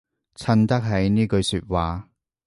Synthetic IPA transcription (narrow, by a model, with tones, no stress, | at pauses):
t͡sʰɐ˧nt̪ɐ˥k̚ɦɐ˨˥jniː˥kɵ˧ɥsyː˧t̚waː˨